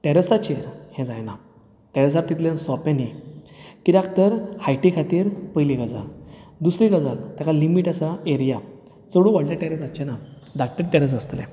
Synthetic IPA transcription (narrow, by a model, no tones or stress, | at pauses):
ʈɛɾəsat͡ɕeɾhɛ̃d͡zajna | ʈɛɾəs̬aɾt̪it̪ljãnsɔpẽni | kid̪akt̪əɾhajʈikʰat̪iːɾpəjliɡəd͡za̰ld̪usɾiɡəd͡zalt̪jakalimiʈəsaeɾja | t͡səɽũʋaɽlãʈɛɾəsat͡ɕena | d̪ak̚ʈəɾʈɛɾəs̬əst̪lɛ̰̃